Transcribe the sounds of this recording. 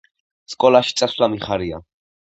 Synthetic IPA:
skʼɔlaʃi̥t̪sʼaslamiχaɾia

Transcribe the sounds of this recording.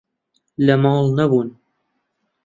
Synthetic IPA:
lɐmɑːlˠnɐbuːn

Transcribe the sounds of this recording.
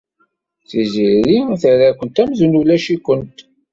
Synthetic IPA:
θiziɾiθəɾækʷənt̪æmzunulæʃikʷənt̪

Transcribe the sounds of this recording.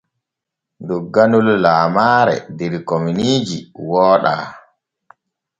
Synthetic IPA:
ndɔɡːanullaːmaːɾɛ̰dɛɾkominiːd͡ʒiwɔːɗa̰ː

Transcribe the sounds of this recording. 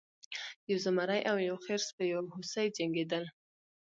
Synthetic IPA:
jawzamaɾajʔawjawxeɾspəjawhʊsajd͡ʒaŋɡed̪əl

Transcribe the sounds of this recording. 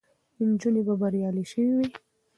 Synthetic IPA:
nd͡ʒunebabaɾjɑliʃəwiwi

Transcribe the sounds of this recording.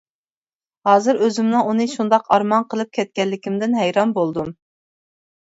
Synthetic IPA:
hɑːzɨɾøzymnɨŋunɨʃund̪ɑqɑɾmɑnqʰəlˠɨp̚kʲʰɛt̪̚kʲɛlːɪkʲimd̪ɪnɦɛjɾɑnbolˠd̪um

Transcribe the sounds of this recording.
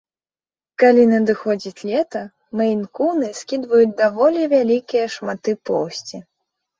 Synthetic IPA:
kalʲinɐd̪ɨxɔd͡zʲit͡sʲlʲɛt̪ɐ | mɐjnkunɨskʲid̪vɐjut͡sʲd̪avɔlʲivʲalʲikʲijɐʂmat̪ːɨpɔwsʲt͡sʲi

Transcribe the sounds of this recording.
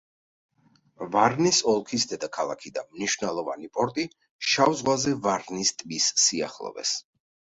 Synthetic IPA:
vaɾnisɔlˠkʰisd̪ɛd̪akʰalˠa̰kʰid̪amniʃvnɛlˠɔva̰nipʼɔɾt̪ʼi | ʃavzʁwazɛvaɾnist̪ʼmisːia̰χlˠɔ̰vɛ̰s

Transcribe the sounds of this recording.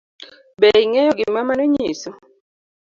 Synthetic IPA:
bɛiŋɛjɔɡimamanuɲisu

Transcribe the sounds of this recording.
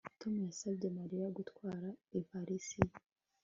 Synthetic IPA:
to̞mujasabɟe̞maɾijaɡutwaːɾaipaɾisi

